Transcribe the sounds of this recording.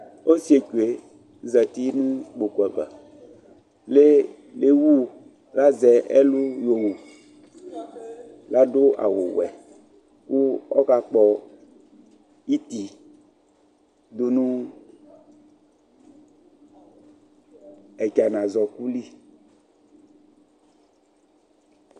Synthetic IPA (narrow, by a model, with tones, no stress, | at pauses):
o˦si˦e˨ku˨e˨ | zɛ˨t̪i˦nũ˦k͡po˨kɛ˨va̰˨ | le˦ | le˦wu˦˨ | la˦zɛ˨ɛ˦lu˦jo˨wu˨ | la˦do˦a̰˨wo̰˨wɛ̰˨ | ku˦ɔ̰˦ka˨k͡pɔ˨ | i˦t̪i˨ | d̪o˦nũ˦ | ɛ˨ka˨nã˨zɔ˨ku˦li˦